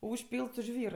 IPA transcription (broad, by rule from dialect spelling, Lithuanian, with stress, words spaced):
ʊʃʲˈpʲiːlˠt sʊ ˈʒʲʋʲiːr